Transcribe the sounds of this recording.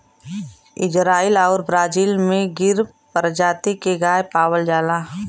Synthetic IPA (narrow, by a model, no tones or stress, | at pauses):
ɪ̰d͡ʒɾaːɪlɔːɾbɾaːd͡ʒiːlmẽɡɪɾ | pəɾd͡ʒaːt̪ikeɡaːjpaːwəld͡ʒaːlaː